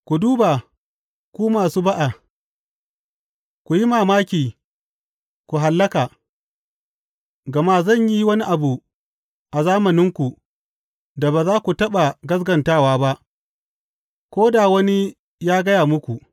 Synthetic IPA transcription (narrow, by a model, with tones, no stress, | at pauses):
kʷu˨duː˦ba˨ | kʷuː˦maː˨suː˦ba˦ʔa˨ | kʷu˨ji˦maː˨maː˦kʲiː˨ | kʷu˨ɦa˨lːɐ˦kaː˨ | ɡɐ˨ma˦zɐ˦˨ɲji˦wɐ˦ni˦ʔa˨bu˨ | ʔa˨zaː˦mɐ˨nɪ˦ŋkʷu˨ | da˨ba˨zaː˦kʷu˨tɐ˦ɓa˨ɡɐ˦s̬ɡɐ˨ntaː˦waː˦ba˦ʔ | kʷoː˦da˨wɐ˦ni˦ | jaː˦ɡɐ˦jaː˨mʊ˦kʷu˨